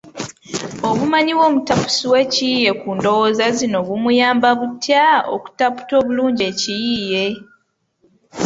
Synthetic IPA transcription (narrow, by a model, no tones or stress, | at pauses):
o̞βumaɲiwo̞ːmutapu̥siwe̞cijije̞kuːndo̞woːzazino̞βumujaːmbaβutjao̰ku̥tapu̥to̞ːβuluːɲɟie̞cijiːje̞